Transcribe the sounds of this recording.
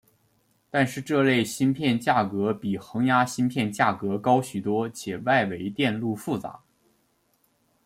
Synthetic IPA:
t̪a˥˧nʂɻ̩˥˧ʈ͡ʂɤ˥˧le˥˩ɪɕi˥npʰjɛ˥˧nt͡ɕja˥˩kɤ˧˥pi˨˩xɤ˧˥ŋja˥ɕi˥npʰjɛ˥˧nt͡ɕja˥˩kɤ˧˥kɑ˥ʊɕy˨˩t̪wɔ˥t͡ɕʰjɛ˨˩wa˥˩ɪwe˧˥ɪt̪jɛ˥˧nlu˥˧fu˥˩t͡sa̰˧˥

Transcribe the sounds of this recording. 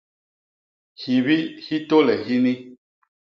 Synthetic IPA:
hi˨βi˦hi˦to˦lɛ˨xi˦ni˦

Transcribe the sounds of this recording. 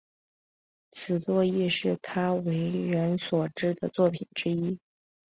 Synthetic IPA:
t͡sʰɹ̩˨˩t͡swɔ˥˧i˥˧ʂɻ̩˥˩t̪ʰa˥we˧˥ɪɻə˧˥nswɔ˨˩ʈ͡ʂɻ̩˥˩d̪ə˨t͡swɔ˥˩pʰi˨˩nʈ͡ʂɻ̩˥i˥

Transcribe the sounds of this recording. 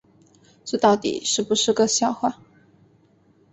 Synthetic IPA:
t͡se˥˧t̪ɑ˥˩ʊt̪ḭ˨˩ʂɻ̩˥˩pu˧˩ʂɻ̩˥˧kɤ˥˧ɕjɑ˥˧ʊxwa˥˩

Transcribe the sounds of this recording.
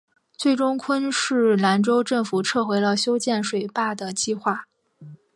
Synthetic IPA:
t͡swe˥˩ɪʈ͡ʂʊ˥ŋkʰwə˥nʂɻ̩˥˩la˧˥nʈ͡ʂo˥ʊʈ͡ʂɤ˥˩ŋfu˨˩ʈ͡ʂʰɤ˥˩xwe˧˥ɪlə˧ɕjo˥ʊt͡ɕjɛ˥˩nʂwe˨˩ɪpa˥˩d̪ə˩t͡ɕi˥˧xwa˥˩

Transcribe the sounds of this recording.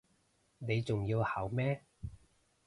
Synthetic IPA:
ne˨˧jt͡sʊ˨ŋjiː˧whɐ˨˥wmɛː˥

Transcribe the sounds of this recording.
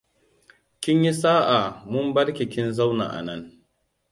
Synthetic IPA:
kʲɪ˦ɲji˦saː˦ʔa˨mʊ˦mbɐ˦ɽkʲi˨kʲɪ˦nza˦wna̰ː˨ʔa̰˨nɐ˦ŋ

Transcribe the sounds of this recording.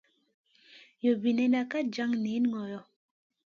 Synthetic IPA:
jo˨bi˨nɛ˨na˨ka˦d͡ʒa˦ŋne˨˦n˦ŋɔ˨jɔ˦˨

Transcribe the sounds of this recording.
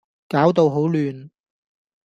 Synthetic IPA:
kaː˨˥wt̪̬o˨˧wɦo˨˥wlyː˨˧n

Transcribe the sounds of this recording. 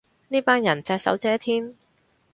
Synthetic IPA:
niː˥paː˥njɐ˨˩nt͡sɛː˧k̚sɐ̰˨˥wt͡sɛː˨˥t̪ʰiː˥n

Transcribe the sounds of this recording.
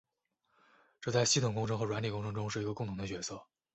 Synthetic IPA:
ʈ͡ʂɤ˥˧t͡sa˥˩ɪɕi˥t̪ʰʊ˨˩ŋkʊ˥ŋʈ͡ʂʰɤ˧˥ŋxɤ˧˥ɻwa˧˥nli˨˩kʊ˥ŋʈ͡ʂʰɤ˧˥ŋʈ͡ʂʊ˥ŋʂɻ̩˥˩i˧˥ɡə˧kʊ˥˩ŋt̪ʰʊ˧˥ŋd̪ə˧t͡ɕɥɛ˧˥sɤ˥˩

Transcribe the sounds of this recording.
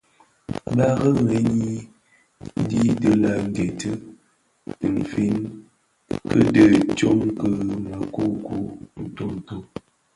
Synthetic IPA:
ɓa˦ɣə˦ŋe˨˦ɲi˦ | n˦di˦də˦la˨ŋ̩˦ɡe˨tə˦˨ | m̩˨fi˦n | kə˦də˦˨t͡ʃo˦ŋkə˦ma˨ko˦ku˦n̩˨to˦n̩˨to˦

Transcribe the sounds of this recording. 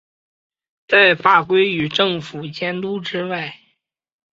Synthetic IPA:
t͡sa˥˧ɪfa˥˩kwe˥ɪy˨˩ʈ͡ʂɤ˥˩ŋfu˨˩t͡ɕjɛ˥nt̪u˥ʈ͡ʂɻ̩˥wa˥˩ɪ

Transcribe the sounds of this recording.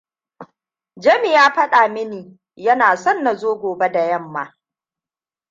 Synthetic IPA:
d͡ʒɐ˦mi˨jaː˦ɸɐ˦ɗaː˨mɪ˦niː˨ | jɐ˦naː˨sɔ˦nːa˨zoː˦ɡʷoː˨be˦da˨jɐ˦˨mːaː˦

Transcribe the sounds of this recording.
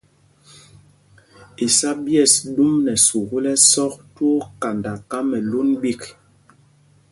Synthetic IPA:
i˨sa˦bjɛ˦˨sɗu˦mnɛ˨su˨ɣu˦lɛ˦sɔ˦k̚tu˦o˦ka˨nda˨ka˦mɛ˨lu˦nbi˦k

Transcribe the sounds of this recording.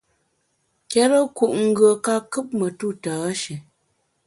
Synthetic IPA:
kɛ˦ɾə˦ku˨ʔŋ̩˦ɡə˨ka˦kɨ˦p̚mə˨tu˦˨taː˨˦ʃi˨

